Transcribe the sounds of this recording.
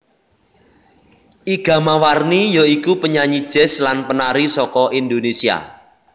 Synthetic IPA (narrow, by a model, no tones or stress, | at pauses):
ʔiɡ̥ä̤mawarnijɔikupəɲaɲid̥ʒ̥ɛ̤slanpənaɾisɔkɔʔind̪onesia̰